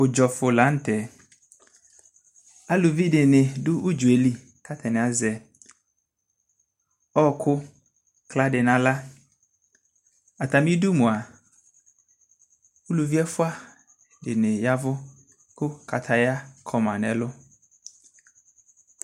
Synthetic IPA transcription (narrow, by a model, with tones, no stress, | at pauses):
ʊ˨d͡ʒɔ˨fʊ˨la˨˦n̩˦t̪ɛ˨ | a˦lu˨vi˦ɖɪ˨nɪ˨dʊ˦u˦d͡ʒu˨e˨li˦ | ka˦t̪ʰɛ˨nɪ̃˨a˨zɛ˨ | ɔ˦kʰʊ˦ | kla˦ɖɪ˨nã˨la˦ | a˨t̪a˨mĩ˦du˦mũ˨a˨ | wʊ˦lu˨vi˦ɛ˦fʊ˦a˦ | ɖɪ˨nɪ˨ja˦vʊ˦ | kʊ˦ka˨t̪ʰa˨ja˦kʰɔ˨mã˨nɛ̰˨lʊ˦